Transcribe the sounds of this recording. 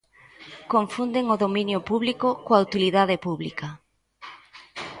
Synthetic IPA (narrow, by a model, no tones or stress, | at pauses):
koɱfund̪eŋoðomĩnjʊpuβlikokoaut̪iliðaðepuβlikɐ